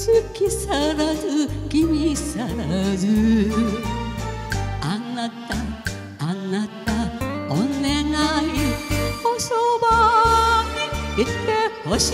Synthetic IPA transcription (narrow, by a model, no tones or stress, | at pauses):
sɨkʲisaɾazɨɡʲimʲisaɾazɨ | anːat̪a | anːat̪aoneɡaiosoba | ɲiit̪ːehoɕ